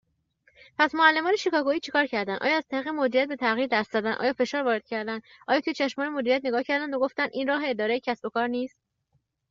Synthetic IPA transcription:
pʰæsmoælːe̞mɒːneʃikɒːɡoiːt͡ʃʰekʰɒːɾcʰæɾd̪ænd̪ɒ̰ːjɒːæz̥t̪ʰæɾiːɣemod͡ʒ̪iɾijæt̪̚be̞t̪ʰæɣiːɾd̪æst̪zæd̪ændʔɒ̰ːjɒːfe̞ʃɒːɾvɒːɾe̞d̪̥̚cʰæɾd̪ænd̪ | ʔɒːjɒːt̪ʰujet͡ʃʰæʃmɒːnemod͡ʒ̪iɾijæt̪neɡɒːhcʰæɾd̪ænd̪oɡo̞ft̪ænd̪ʔiːnrɒːɦe̞ːd̪ɒːɾejecʰæsbo̞kʰɒːɾniːst̪̚

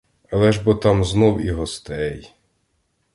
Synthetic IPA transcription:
ɐlˠɛʒbɔt̪ɑmznɔwiɦɔst̪ɛj

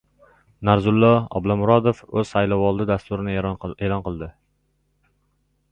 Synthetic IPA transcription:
naɾzʊlˠːɒɒ̰blˠɒmʊɾɒd̪ofɵz̥sajlɒwɒlˠd̪ɪd̪ast̪ʊɾɪnɪelˠɒnqɨlˠd̪ɪ

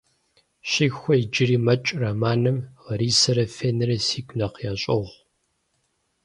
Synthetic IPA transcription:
ɕɪxʷɔid͡ʒɪriːmɐt͡ʃʼramaːnɨmʁɐɾiːsɐɾɐfeːnɨɾɐsiːɡʷʼnɐqjaːɕʼɐʁʷ

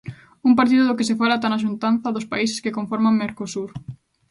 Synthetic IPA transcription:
umpaɾt̪̬iðʊðokesefalat̪anaʃ̬unt̪anθɐðʊspais̬e̥skekoɱfɔɾmaŋmeɾkosuɾ

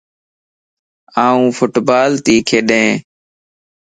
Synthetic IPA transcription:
ãːũːfʰʊʈbaːlt̪iːkʰeːɗẽː

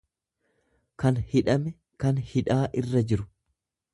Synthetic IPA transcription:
kɐnhɪᶑɐmɛ | kɐnhɪᶑaːʔɪrːɐd͡ʒɪɾʊ̥

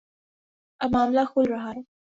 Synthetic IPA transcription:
ɐmaːmlaxulɾaɦaɾ

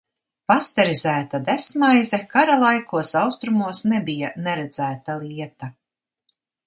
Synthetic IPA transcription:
past̪ɛɾizæːt̪ad̪esmajzɛkaɾalˠajkuɔsawst̪ɾumuɔsnɛbijanɛɾɛd̪z̥æːt̪alˠiɛt̪a

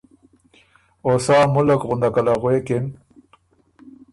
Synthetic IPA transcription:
osɑːmʊlakɣʊnd̪akalaɣwekɪn

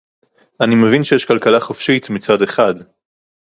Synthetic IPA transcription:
animevinʃejeʃkalkalaχofʃitmit͡sade̞χad

